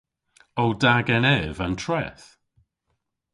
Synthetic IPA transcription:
owdaɡɛnɛːvantʰrɛ̰θ

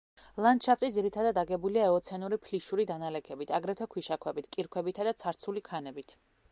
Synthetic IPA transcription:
lˠand̪ʃapʰt̪ʼid̪ziɾit̪ʰad̪ad̪aɡɛbuliaɛɔt̪sʰɛnuɾipʰliʃuɾid̪analɛkʰɛbit̪ʰaɡɾɛt̪ʰɔkʰwiʃakʰwɛbit̪ʰkʼiɾkʰwɛbit̪ʰad̪at̪sʰaɾt̪sʰulikʰanɛbit̪ʰ

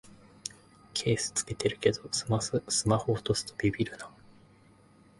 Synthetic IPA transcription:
kʰe̞ːsɨ̥t͡sɨ̥ke̞t̪e̞ɾɯ̟ke̞d̪o̞sɨ̥masɨsɨmahoːt̪osɨ̥t̪obʲibʲiɾɯ̟na

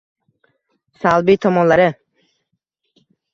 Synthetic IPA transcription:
salˠbit̪ʰɒmɒnlaɾɪ

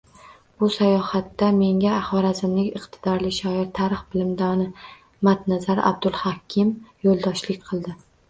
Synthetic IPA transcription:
b̥ʊsajɒhat̪ːame̞ŋʲaːhɒɾazɪmnɪŋʲɨqt̪ʰɪ̥d̪ɒɾlɪʃɒɪɾt̪ʰaɾɨχbɪlɪmd̪ɒnɪ | mat̪nazaɾa̰b̚d̪ʊlˠhɒkʲʰɪmjolˠd̪ɒʃlɪk̚ʲqʰɨlˠd̪ɪ

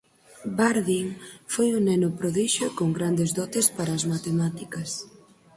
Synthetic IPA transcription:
baɾðiŋfojunɛnopɾoðiʃokoŋɡɾand̪ezðɔt̪espaɾɐːzmat̪emat̪ikɐs

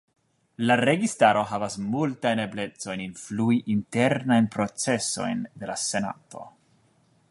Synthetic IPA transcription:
laɾe̞ɡistaɾo̞ɦavasmultajne̞ble̞t͡so̞jninfluiʔinte̞ɾnajnpɾo̞t͡se̞so̞̰jnde̞lase̞na̰to̞̰

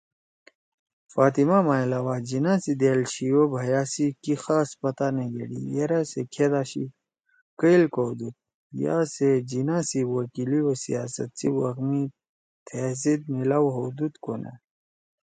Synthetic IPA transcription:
faːt̪imamailaːwad͡ʑinasid̪eːlɕiobʱɐjaːsikixaːspɐt̪aneɡḛɽḭjeɾasekʰed̪aːɕḭ | kəilkoːd̪ut̪̚ | ja̰ːsed͡ʑinasiwɐkiliosḭjaːsɐ̰t̪siwɐɣmi | t̪ʰesid̪̚milawɦod̪ut̪kona̰

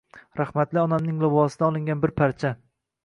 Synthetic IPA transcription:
ɾahmat̪lɪɒnamnɪŋlɪvɒsɪd̪aɒlˠɪŋɡʲanbɪɾpʰaɾt͡ʃʰa

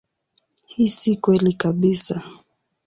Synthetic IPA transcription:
hisikwɛlikaɓisa

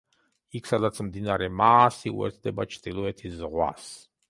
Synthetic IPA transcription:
ikʰsad̪at̪sʰmd̪inaɾɛmaːsiṵɛ̰ɾt̪ʰd̪ɛbat͡ʃʰd̪ilˠɔɛt̪ʰiszʁwa̰s

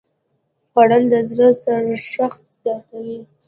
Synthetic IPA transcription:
paɽand̪əzɾəsaɾaʂaxt̪̚zɑt̪awi

